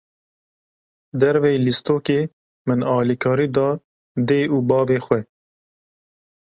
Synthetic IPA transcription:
d̪ɛɾveːlist̪oːkeː | mɨnɑːlikʰɑːɾiːd̪ɑː | d̪eːʔuːbɑːveːxʷɛ

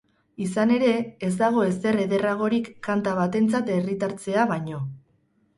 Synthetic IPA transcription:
isane̞ɾe̞ːzd̪aɣ̞o̞e̞s̬ere̞ðe̞raɣ̞o̞ɾikːant̪aβ̞at̪e̞nt͡sat̪e̞rit̪aɾt͡se̞aβaɲo̞

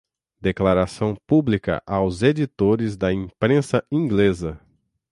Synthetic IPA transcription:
d̪eklaɾasɐ̃w̃publikɐ̰ʔawzed͡ʒit̪oɾɪzd̪ɐĩpɾẽsɐĩɡlezɐ

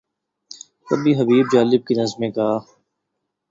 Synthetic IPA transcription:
kɐbʱiɦəbiːbd͡ʒaːlɪb̚kinɐzmẽka

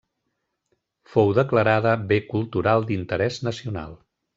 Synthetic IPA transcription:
fowðəkləɾaðəβekulˠt̪uɾalˠd̪int̪əɾɛznəsiuna̰lˠ

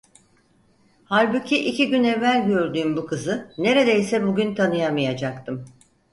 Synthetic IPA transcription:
haɾbucʰiʔicʰiɟynevːælʲɟø̞ɾd̪yːmbukʰɯzɯne̞ɾe̞d̪ejsɛbuɟʲynt̪ʰanɯjamɯjad͡ʒak̚t̪ʰɯm

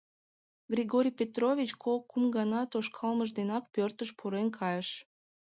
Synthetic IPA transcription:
ɡrʲiɡoɾʲjpʲet̪rovʲit͡ɕkʰokːumɡɑnɑt̪oʃkʰɑlməʒd̪enɑk̚pørt̪əʃpʰuɾenkʰɑjəʃ

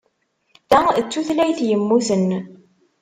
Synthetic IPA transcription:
d̪æət͡sːuθlæjθjəmːuθən

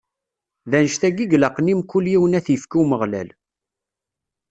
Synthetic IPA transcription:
ðænʃθæɡiɡləqːnimkːuljiwənæθjəfkuməʁlæ̰l

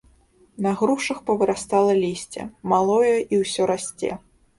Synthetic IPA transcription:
nɐɣɾuʂɐxpɐvɨɾʔast̪alˠɐlʲisʲt͡sʲɛ̰malˠɔjɐʔiwsʲɔɾasʲt͡sʲɛ̰

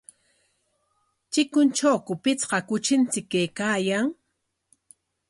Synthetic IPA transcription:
t͡ʃɪkʊnt͡ʃawkʊpɪt͡sqɑkʊt͡ʃɪnt͡sɪkːejkaːjaŋ

